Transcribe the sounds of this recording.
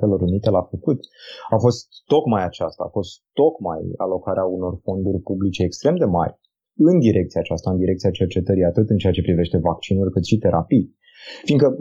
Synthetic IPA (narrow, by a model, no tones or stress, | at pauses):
t̪elo̞ɾunit̪e̞lafəkut̪afo̞st̪ːo̞kmajat͡ʃast̪a̰ːfo̞st̪ːo̞kma̰ja̰lo̞kaɾeauno̞rfo̞nd̪urʲpublit͡ʃe̞ːkst̪ɾe̞md̪e̞ma̰rʲ | ɨnd̪iɾʔe̞kt̪siaːt͡ʃast̪aɨnd̪iɾe̞k̚t̪siat͡ʃeart͡ʃe̞t̪əɾijat̪ɨt̪ɨnt͡ʃeat͡ʃe̞pɾive̞ʃt̪e̞vak̚t͡ʃinurʲkɨt̪ʃit̪e̞ɾʔapi | fiŋkə